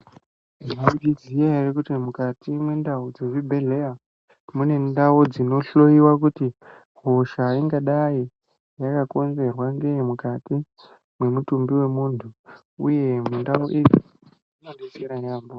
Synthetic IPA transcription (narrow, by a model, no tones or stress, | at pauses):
iad͡ʒid͡zijaerekutimukatʰimwendaud͡zeʐibʱe̞ɮe̞a | mune̞ndaud͡zino̞ɬo̞iwakuti | ɦo̞ʃariŋɡaɗai | jakako̞nze̞rwaŋɡe̞mukati | mwe̞mutumbiwe̞muntʰu | ṵje̞mendauʔe | anandeseɾajaːmbo